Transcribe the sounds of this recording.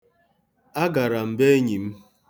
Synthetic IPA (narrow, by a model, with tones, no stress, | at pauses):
a˦ɡa˨ɾa˨m̩˨be˦ɲi˨m̩˦